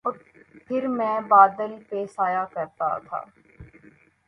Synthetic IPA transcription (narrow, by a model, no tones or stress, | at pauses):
pʰɪɾmɛ̃ːbaːd̪əlpesaːjaːkəɾt̪a̰t̪ʰa̰ː